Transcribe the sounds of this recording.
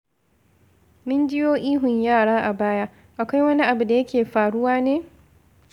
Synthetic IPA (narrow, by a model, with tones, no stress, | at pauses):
mɪ˦nd͡ʒɪ˦joː˦ʔiː˦ɦʊ˨ɲjaː˦˨ɽaː˦ʔa˨baː˦ja˦ | ʔa˨kʷa˦jwɐ˦ni˦ʔa˨bu˨da˨jɐ˦kʲeː˨ɸaː˨ɽʊ˦waː˦neː˦